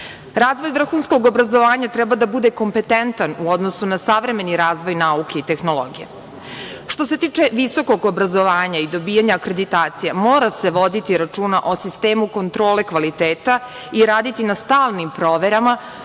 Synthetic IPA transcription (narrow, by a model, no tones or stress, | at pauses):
ɾaːzʋo̞jʋvr̩xuːnsko̞ɡobɾazo̞ʋaːɲat̪ɾɛbad̪abud̪e̞ko̞mpe̞t̪ent̪anuod̪no̞sunasaʋɾe̞me̞niɾaːzʋo̞jnaukʰe̞it̪e̞xno̞lˠo̰ɡijḛ | ʃt̪o̞s̬e̞t̪iːt͡ʂeʋiso̞ko̞ɡobɾazo̞ʋaːɲaid̪o̞bijaɲaːkɾe̞d̪it̪aːt̪sijamoːɾase̞ʋo̞d̪it̪iɾat͡ʂuːnaʔo̞sist̪eːmuko̞nt̪ɾo̞ːle̞kʋalit̪eːt̪a | iɾaːd̪it̪inast̪aːlˠnimpɾoːʋe̞ɾama